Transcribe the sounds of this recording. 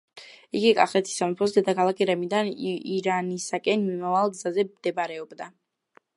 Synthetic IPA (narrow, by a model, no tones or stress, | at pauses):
iɡikʼa̰χɛt̪ʰi̥samupʰɔsd̪ɛd̪akʰalˠakʰʼiɾɛmid̪aniɾanisakʼɛnmimavalˠɡzazɛmd̪̥ɛbaɾɛɔbd̪a